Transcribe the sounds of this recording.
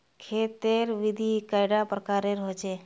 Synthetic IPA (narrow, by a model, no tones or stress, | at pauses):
kʰet̪eɾʋid̪ʱikajɖapɾəkaːɾeɾɦot͡ʃʰe